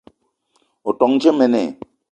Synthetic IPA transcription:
oʈɔŋt͡ʃʰemenḛ

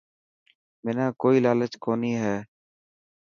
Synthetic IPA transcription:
mɪnãːkoːiːlaːlət͡ʃkoːniːɦɛː

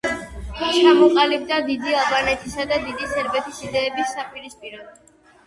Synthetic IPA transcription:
t̪ʰut͡ʃʰamɔqʼalib̚d̪ad̪id̪ialˠbanɛt̪ʰisad̪ad̪id̪isɛɾbɛt̪ʰisid̪ɛːbisːapʼiɾispʼiɾɔ

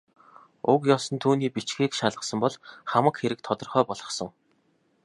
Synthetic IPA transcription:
ʊkjɔːsɞ̆nt̪ʰuːniːpit͡ɕɡiːkʃaɮə̆sə̆mpɔɮχamə̆kxeɾɘ̆k̚t̪ʰɔt̪ɞ̆rχœːpɔɮʁɞ̆χsə̆ŋ

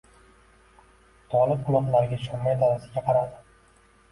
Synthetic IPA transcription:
t̪ʰɒlˠɪp̚qʊlˠɒt̪laɾɪɡʲaʃʰɒmːajd̪aɾasɪɡʲaqʰɑɾad̪ɪ

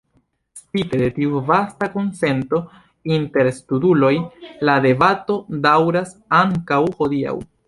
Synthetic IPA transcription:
spite̞de̞tiuvastako̞nse̞nto̞ | inte̞ɾstudulo̞jlade̞bato̞dawɾasaŋkawho̞dia̰w

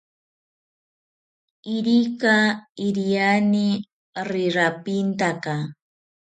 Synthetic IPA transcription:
ɪɾikaɪɾijanɪ | ɾɪɾapint̪aka

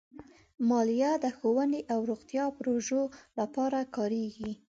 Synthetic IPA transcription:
mɑlijad̪əxowəneʔawɾoɣt̪jɑpɾoʒolapɑɾakɑɾeɡi

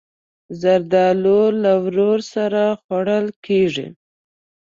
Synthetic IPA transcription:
zaɾd̪ɑlolawɾoɾsaɾaxwaɽəlkeʐḭ

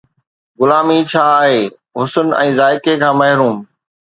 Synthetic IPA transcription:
ɡʊlaːmit͡ɕʰaːaːɦeː | ɦʊsənɛ̃ːzaːɪkekʰãːmɐɦɪɾuːm

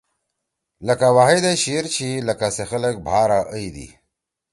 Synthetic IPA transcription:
ləkawaɦed̪aɕiɾt͡ɕʰilɐkasexələk̚bʱaːɾaʔəid̪ḭ

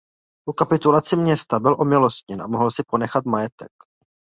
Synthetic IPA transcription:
ʔukapɪt̪ulat͡sɪmɲɛst̪abɪlʔo̞mɪlo̞st̪̚ɲɛnʔa̰mo̞ɦlsɪpo̞nɛxat̪majɛt̪ɛk

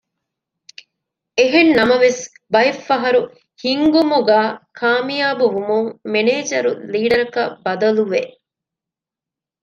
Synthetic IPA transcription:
eɦenːɐmɐʋes | bɐefːɐɦɐɾu | hiŋɡumuɡaːkʰaːmijaːbuʋumuŋmeneːd͡ʒɐɾuliːɖɐɾɐkɐbɐd̪ɐluʋe

